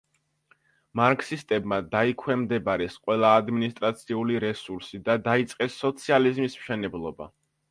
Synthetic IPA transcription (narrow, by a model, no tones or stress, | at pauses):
maɾkʰsist̪ʼɛbmad̪aikʰwɛmd̪ɛbaɾɛsqʼwɛlˠaːd̪minist̪ʼɾat̪sʰiuliɾɛsuɾsid̪ad̪ait̪sʼqʼɛsːɔt̪sʰializmismʃɛnɛblˠɔba̰